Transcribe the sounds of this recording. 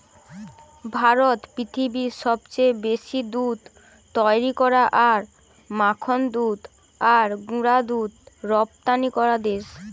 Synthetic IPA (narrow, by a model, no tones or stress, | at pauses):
bʱaɾot̪pɾit̪ʰibiʃɔbt͡ɕejbeʃid̪ud̪ | t̪ːɔjɾikɔɾaʔaɾ | makʰond̪ud̪ | aɾɡuɾad̪ud̪ɾɔp̚t̪anikɔɾad̪eʃ